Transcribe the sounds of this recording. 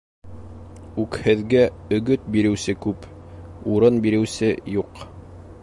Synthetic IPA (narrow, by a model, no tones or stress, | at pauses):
ʉkhɘ̆ðɡæ | ɵ̆ɡɵt̪̚biɾɘ̆wsɘkʉp | uɾɤnbiɾɘ̆wsɘjuq